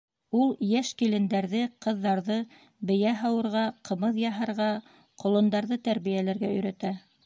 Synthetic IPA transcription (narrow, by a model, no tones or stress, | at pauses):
ulˠjæʃkilɘ̆nd̪æɾðɘqɤ̆ðːɑɾðɤ | bɘ̆jæɦɑwɤ̆ɾʁɑqɤ̆mɤðjɑɦɤ̆ɾʁɑ | qŏlˠɤ̆nd̪ɑɾðɤt̪æɾβijælæɾɡæɵ̆jɾæt̪æ